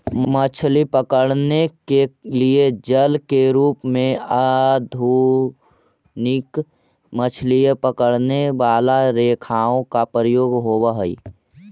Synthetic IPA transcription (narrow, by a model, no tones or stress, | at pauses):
mət͡ʃʰlipəkəɽnekelied͡ʒəlkeɾuːpmẽad̪ʱu | nɪk | mət͡ʃʰlijepəkəɽneʋaːlaɾeːkʰaːõkapɾəjoːɡɦoːwaɦəḭ